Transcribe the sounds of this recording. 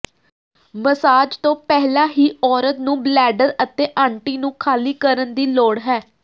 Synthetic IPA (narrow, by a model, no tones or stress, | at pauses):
məsaːd͡ʒt̪õːpɛɦlaːɦiːɔːɾət̪nũːblɛːɖəɾət̪eːʔãːɳʈiːnũːkʰaːliːkəɾənd̪iːloːɽɦɛː